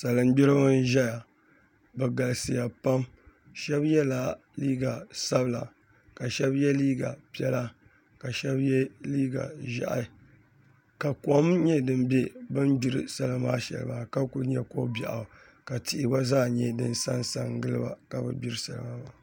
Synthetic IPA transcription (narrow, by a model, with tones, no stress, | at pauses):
sa˨lɨ˨m˦bi˦ɾɨ˦ba˦n˦ʒɛ˦ja˨ | bɛ˨ɡa˨lɨ˨sɨ˨ja˨pa˦m | ʃɛ˦bjɛ˦la˦ | li˦ɡa˨sa˦bɨ˨la̰˨ | ka˨ʃɛ˦bjɛ˦liː˦ɡa̰˨pi˦ɛ˦la˦ | ka˨ʃɛ˦bjɛ˦liː˦ɡa̰˨ʒa̰˦ʔa̰˨˦ | ka˨ka˨˦mɲɛ˦dɨ˦mbɛ˦bɨ˦n˦bi˦ɾɨ̰˨˦sa˨la˨maː˦ʃɛ̰˨lɨ̰˨maː˨ka˦ku˦ɲɛ̰˦ko̰˦ba̰˨ʔa˨ | ka˨ti˨ʔɪ˨ba˦zaː˦˨ɲɛ˦dɨ̰˦nsa˦nsa̰˨ŋ˦ɡɨ˦lɨ˦ba̰˦ka˨bɨ̰˨bi˦ɾɨ˦sa̰˨la̰˨ma˦ba˨